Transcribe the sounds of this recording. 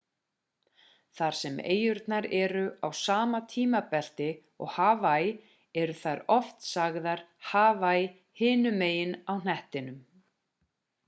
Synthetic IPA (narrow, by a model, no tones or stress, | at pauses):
θaɾ̥sɛmḛːjʏɾt̪naɾɛɾʏawsaːmat̪ʰiːmapɛl̥t̪ɪ | ɔ̰ɣhaːvaj | ɛɾʏθaɾɔft̪saɣðaɾ̥haːvaj | hɪːnʏmeːjɪnawn̥ɛht̪ɪnʏm